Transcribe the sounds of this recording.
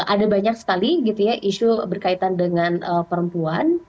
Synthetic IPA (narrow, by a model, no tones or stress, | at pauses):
ʔadabaɲak̚sə̥kaliɡit̪ujaʔiʃubərkait̪andəŋanəpəɾəmpuan